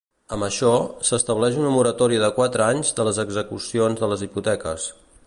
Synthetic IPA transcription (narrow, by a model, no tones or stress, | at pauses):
əmbəʃɔsəst̪əβlɛʒunəmuɾət̪ɔɾiðəkwat̪ɾəaɲzðələzəɡzəkusionzðələziput̪ɛkə̰s